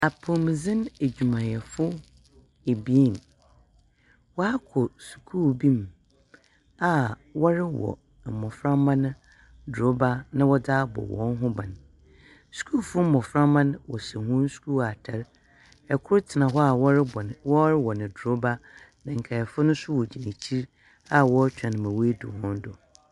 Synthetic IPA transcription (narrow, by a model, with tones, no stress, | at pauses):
a˨pʰo˨mĩ˨zɪ̃˦ne˨d͡ʑᶣu˨mã˨jɛ˨fʊ˦ | e˨bi˨˦i˦˨n | wɔ˦a˦kʰɔ˨su̥˨kʰuː˦bĩ˦m | a˨ | wɔ˦ɾɪ˦wɔ̰˨ | mɔ̃˨fɾa˦mã˦nʊ̃˦ | do˦ba˦nã˦wɔ˦daː˦bɔ̰˨wɔ̰̃˨˦n˦ɦʊ̃˦bã˨n | su̥˨kʰuː˦˨fʊ˦m̩˦mɔ̃˨fɾã˦mã˦n˦wɔ̰˨sɛ˨hʊ̃˦n˦su̥˨˦kʰu˦a˨tʰɛ˨ɾ | ɛ˨kʰʊ˦ɾtʰɪ˨nã˨ɦɔ˦a˨wwɔ˦ɾɪ˦wɔ˨nɪ̃˨dɾo˦ba˦ | nã˨ŋ̩˨kʰa˨ɛ˨fʊ˦nʊ̃˦sʊ˦wɔ˨d͡ʑi˨ni˨t͡ɕʰi˦ɾ | a˦wɔ˦t͡ɕᶣã˨ñ˨mã˨we˦e˦dʊ̰˨hɔ̃˦n˦dɔ˨